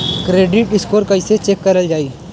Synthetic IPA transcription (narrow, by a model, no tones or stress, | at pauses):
kɾeːɖɪʈ̚ɖɪskoːɾkɐɪset͡ʃeːkːɐɾəld͡ʒaːiː